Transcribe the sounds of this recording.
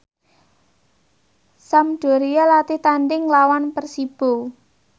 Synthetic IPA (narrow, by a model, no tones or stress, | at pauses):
samɖ̥o̤ɾijalat̪it̪anɖɪŋlawanpərsib̥o̤